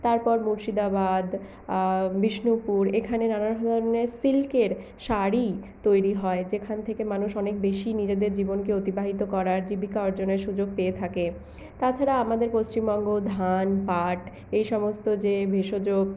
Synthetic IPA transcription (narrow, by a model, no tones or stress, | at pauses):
t̪aɾpɔɾmuɾʃid̪abad̪ | biʃnupuɾekʰanenanaɦɔd̪ʱɔɾoneɾsilkeɾ | ʃaɾit̪ojɾiɦɔed͡ʑekʰant̪ʰekemanuʃɔnek̚beʃinid͡ʑed̪eɾd͡ʑibonkeot̪ibaɦit̪okɔɾaɾd͡ʑibikaoɾd͡ʑoneɾʃud͡ʑoɡ̚peet̪ʰake | t̪at͡ɕʰaɾaamad̪eɾpost͡ɕimbɔŋɡod̪ʱanpaʈ | ejʃɔmost̪od͡ʑebʱeʃod͡ʑoɡ